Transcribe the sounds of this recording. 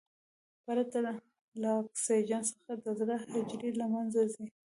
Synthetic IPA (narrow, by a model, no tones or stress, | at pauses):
paɾat̪a | laːksed͡ʒɑnsə̥xad̪əzɾahɪd͡ʒɾilamanzazi